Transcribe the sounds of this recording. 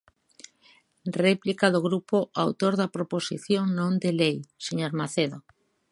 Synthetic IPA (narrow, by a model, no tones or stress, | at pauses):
rɛplikaðoɣ̞ɾupoʔawt̪oɾðapɾoposḭθjoŋnõnd̪elejseɲoɾmaθeðo